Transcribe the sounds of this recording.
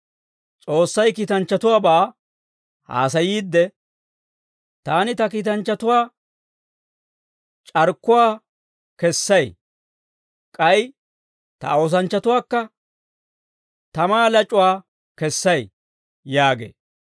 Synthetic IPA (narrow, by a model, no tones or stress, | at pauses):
t͡sʼo̞ːsːɐjkiːt̪ɐnt͡ʃːɐt̪ʊwaːbaː | ha̰ːs̬ɐjiːd̪ːɛ | t̪aːnɪt̪ɐkiːt̪ɐnt͡ʃːɐt̪ʊwaː | t͡ʃʼɐɾkːʊwaː | kɛsːɐj | kʼɐj | t̪ɐ̰o̞ːs̬ɐnt͡ʃːɐt̪ʊwaːkːɐ | t̪ɐmaːlɐt͡ʃʼʊwaː | kɛsːɐj | jaːɡḛː